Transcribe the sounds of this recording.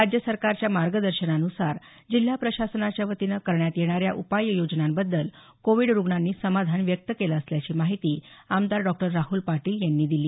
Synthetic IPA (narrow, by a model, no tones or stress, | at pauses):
ɾad͡ʑjəsəɾkaɾt͡ɕjamaɾɡəd̪əɾɕənanusaɾ | d͡ʑil̤ːapɾəɕasənat͡ɕjaʋət̪inəkəɾɳjat̪jeɽ̃aɾjaʔupajːəjod͡ʑnambəd̪ːəl | koʋiɽɾuɡɳanːiːsəmad̪ʱanʋjək̚t̪əkelaəsljat͡ɕiːmaɦit̪iːamd̪aɾɖɔk̚ʈəɾːaɦuːlpaʈiːljanːiːd̪iliː